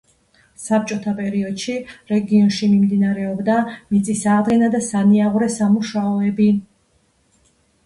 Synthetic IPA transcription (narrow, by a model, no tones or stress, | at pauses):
sap̚t͡ʃʼɔt̪ʰapʼɛɾiɔd̪̥ʃiɾɛɡiɔnʃimimd̪inaɾɛɔbd̪amit̪sʼisaːd̪ɡɛnad̪asaniaʁuɾɛsamuʃaɔɛbi